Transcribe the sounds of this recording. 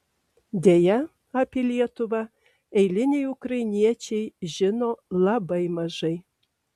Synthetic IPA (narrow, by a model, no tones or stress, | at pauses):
d̪ʲejæ | ɐpʲelʲiɛt̪ovɑ | ejlʲɪnʲejukrɑjnʲiɛt͡ɕejʒɪnolˠɑbəjmɑʒɤj